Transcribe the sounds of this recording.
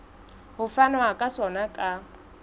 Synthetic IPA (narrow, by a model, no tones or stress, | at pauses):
hʊfanɔakʼasɔnakʼa